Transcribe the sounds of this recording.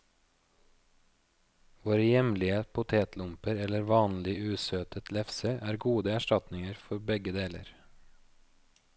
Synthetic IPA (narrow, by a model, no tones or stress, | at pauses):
ʋoːɾəjɛmlɪəpʰʊt̪ʰeːt̪lʊmpəɾɛləɾʋɑːnlɪʉːsøːt̪ʰət̪lɛfseːʔæːɾɡuːd̪əæʃʈɑt̪nɪŋəɾfɔɾbɛɡəd̪eːlə̰ɾ